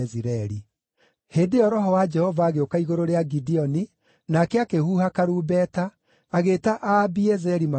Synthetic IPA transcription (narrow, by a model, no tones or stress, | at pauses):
ɛziɾɛɾi | heːndeɔɾɔɦɔwad͡ʒɛhɔvaːɣeokaiɣoɾoɾeaɡidiɔni | nakɛakehuhakaɾuːbɛːtaː | ɣetaʔabiɛzɛɾima